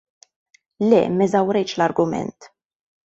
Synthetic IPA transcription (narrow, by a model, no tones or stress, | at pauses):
lɛ̰ːmɛzɐwɾɛjt͡ʃlɐɾɡʊmɛ̰nt̪